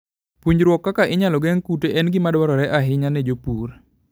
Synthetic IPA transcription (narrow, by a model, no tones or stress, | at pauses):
puɲd͡ʒɾwɔkːakaʔɪɲalɔɡɛŋkuteʔɛnɡɪmadwɔɾɔɾɛʔaɦɪɲanɛd͡ʒopuɾ